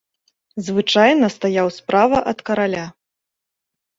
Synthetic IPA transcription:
zvɨt͡ʂajnɐst̪ajawspɾʔavɐʔɐt̪kɐɾalʲa

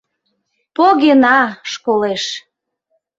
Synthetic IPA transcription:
poɣenɑʃkoleʃ

